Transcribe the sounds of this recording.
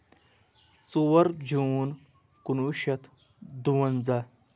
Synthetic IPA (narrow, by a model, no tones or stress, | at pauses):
t͡suwɐɾd͡ʑuːn | kunuʃɐt̪ʰ | d̪uwɐnzɐ